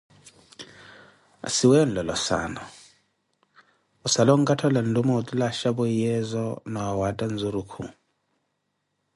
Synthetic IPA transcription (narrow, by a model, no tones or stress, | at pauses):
a̰siwɛɔn̩lɔlɔsa̰nɔ | ɔsalɔŋ̩ɡatʰɔlan̩lumɔt̪ulaʃabɔjɛzɔnɔawatʼanzuɾukʰṵ